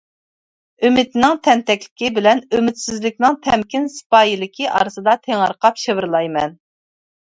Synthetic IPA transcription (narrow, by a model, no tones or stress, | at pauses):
ømɪt̪nɪŋt̪ʰɛnt̪ɛkʲlɪ̥kʲibɪlɛnømɪt̪sɪzlɪkʲnɪŋt̪ʰɛmkʲinsɨ̥pɑjilɪkʲʰiʔɑ̰ɾɨsɨd̪ɑt̪ʰeŋɑɾqɑpʃevɪɾlˠɑjmɛn